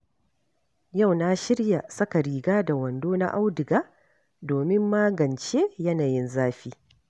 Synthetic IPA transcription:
ja˦˨wna˦ʃɪ˦ɾja˨sɐ˦ka˨ɾiː˨ɡaː˦da˨wɐ˨ndoː˦na̰˦ʔa˦wdɪ˨ɡaː˦ | doː˨mɪ˦mːaː˦ɡɐ˨nt͡ʃeː˦jɐ˦naː˨jɪ˦nzaː˦ɸiː˦

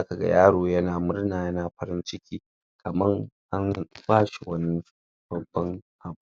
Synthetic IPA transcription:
za˦ka˨ɡa̰˦jaː˦ɽoː˨jɐ˦naː˨mʊ˦ɾnaː˨jɐ˦naː˨ɸɐ˦ɾɪ˦nt͡ʃɪ˦kʲiː˦ | kʰɐ˨mɐ˦ŋʔa˦nbaː˦ʃi˨wɐ˦ni˦ | b̥ɐ˨bːɐ˦ŋʔa˨bu˨˦˨

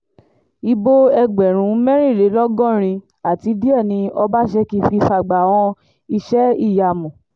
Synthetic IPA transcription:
i˧bo˦ɛ˧ɡ͡bɛ˨ɾ̃ũ˨˦mɛ̃˦ɾĩ˦˨ɾe˨˦lɔ˦ɡɔ̃˦˨ɾ̃ĩ˧ | a˨ti˨˧˦di˦ɛ˦˨nĩ˧ɔ˧ba˦ʃɛ˧ki˧fi˧fa˨ɡ͡ba˨w̃ɔ̃˧ | i˧ʃɛ˦i˦˨ja˨mũ˨

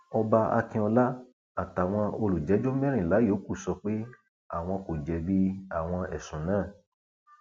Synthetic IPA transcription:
ɔ˧ba˧a̰˧kĩ˧ɔ˧la˦ | a˨ta˨w̃ɔ̃˧o˧lu˨d͡ʒɛ˨˦d͡ʒo˦mɛ̃˦ɾ̃ĩ˦˨la˨˦joː˨˦ku˦˨sɔ˧k͡pe˦ | a̰˦˨w̃ɔ̃˧ko˨d͡ʒɛ˧bi˦a˦˨w̃ɔ̃˧ɛ̰˨sũ˨nãː˦˨

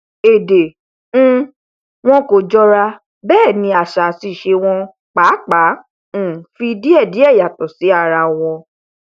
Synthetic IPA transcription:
e˨dẽ˨˦ | w̃ɔ̃˧ko˨d͡ʒɔ˧ɾa˧ | bɛː˦˨nĩ˧˦a˨ʃa˨si˨ʃe˧w̃ɔ̃˧ | k͡pa˨˦k͡pã˨˦˨ | fi˧di˦ɛ˦˨di˨˦ɛ˦˨ja˨tɔ˨si˨˦a˦˧˨ɾa˧w̃ɔ̃˧

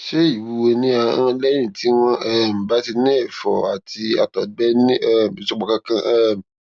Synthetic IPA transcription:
ʃe˦i˨wu˨˦wo˧nĩ˦ã˨˦ã˧lɛ̃˦ĩ˦˨ti˦w̃ɔ̃˦ɛ˦˨m̩˨ba˦ti˧nĩ˦ɛ˦˨fɔ̰˨a˨ti˧a˨tɔ˨ɡ͡bɛ˦ni˦ɛ˦˨ĩ˨sɔ˧ɡ͡bɔ˨kã˧˦kã˦ɛ˦m˨

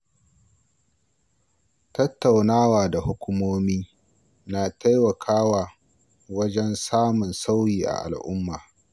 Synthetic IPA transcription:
tɐ˦tːa˨wnaː˦waː˨da˨hʊ˦kʷʊ˦moː˦miː˦ | naː˨ta˦jwɐ˨kʰaː˦waː˨ | wɐ˦d͡ʒɛ˦nsaː˦mʊ˨nsa˦wjiː˨ʔa̰˨ʔa̰˨lʔʊ˦mːaː˨

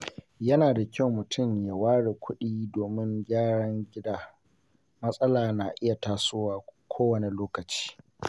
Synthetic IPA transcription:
jɐ˦naː˨da˨kʲɐ˦wmʊ˨tʰʊ˦˨mja˨waː˦ɽeː˨kʷʊ˦ɗiː˦doː˨mɪ˦ŋɡʲaː˦ɽɐ˦ŋɡʲɪ˦daː˦ | mɐ˦sʼɐ˦laː˨na˨ʔɪ˦ja˨taː˨sʊː˦waː˨kʷʰoː˦wɐ˨ne˨loː˦kɐ˨t͡ʃi̥ː˦

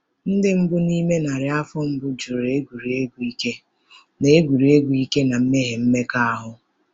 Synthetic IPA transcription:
n̩˦dɪ˦m̩˦bʊ˦ni˦me˦na˨ɾɪ˨a˦fɔ˦m̩˦bʊ˦d͡ʒu˨ɾe˦ɡu˨ɾe˦ɡʷu˨i˦ke˦ | ne˦e˦ɡʷu˨ɾu˨e˦ɡʷu˨i˦ke˦na˨m̩˦me˦ɦe˨m̩˦me˦ka˦a˦ɦʊ˦

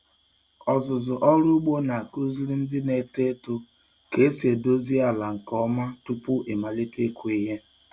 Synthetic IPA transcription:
ɔ˨zʊ˨zʊ˨ʔɔ˦ɾʊ˦ɡ͡bo˦na˨a˨ku˦zi˦ɾi˦n̩˦dɪ˦ne˨te˦tu˦ | ke˨˦se˨do˦zi˦a˨la˨ŋ̩˨kɔ˦ma˦tu˦pʊ˦ʔe˨ma˨le˦te˦kʷu˨˦i˦ɦe˦

